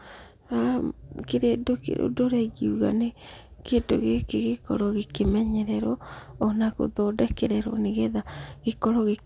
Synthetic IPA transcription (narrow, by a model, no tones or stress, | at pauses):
akeɾedokḛɾʔo̰doɾɛɣiuɣa̰nekedo̰ɣekeɣekɔ̰ɾɔɣekemɛɲɛɾɛɾɔːnaɣo̰ðɔdɛkɛɾɛɾɔ̰neɣɛðaɣekɔɾɔɣe